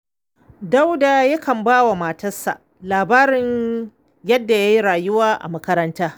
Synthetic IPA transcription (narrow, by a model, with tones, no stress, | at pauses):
da˦wda˨ja˦kʰɐ˨mbaː˦wa˨maː˨tɐ˦sːa̰˨ʔ | laː˨baː˦ɾɪ˨ɲ | jɐ˦dːa˨ja˦ji˦ɽaː˨jʊ˦waː˦ʔa̰˨mɐ˦kɐ˦ɾɐ˦ntaː˦